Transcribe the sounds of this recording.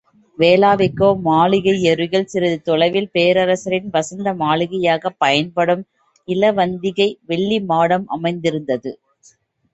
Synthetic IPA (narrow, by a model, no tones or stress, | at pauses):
ʋeːlaːʋɪkːoːmaːɭɪɣɐɪɛɾɯɣɐɭsɪɾɐðɯt̪ɔɭɐɪʋɪlpeːɾɐɾɐsɐɾɪnʋɐsɐnd̪ɐmaːɭɪɣɐjaːɣɐpːɐjɐnpɐɽɯm | ɪlɐʋɐnd̪ɪɣɐɪʋɛɭːimaːɽɐmʔɐ̰mɐɪnd̪ɪɾɯnd̪ɐðɯ